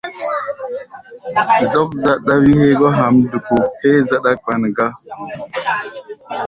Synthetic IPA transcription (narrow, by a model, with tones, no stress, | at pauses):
zɔ˦kza˦ɗa˦wi˦he˦ɡɔ˦ɦa˨mdu˨ko˨he˦za˦ɗa˦k͡pa˨nɡa˦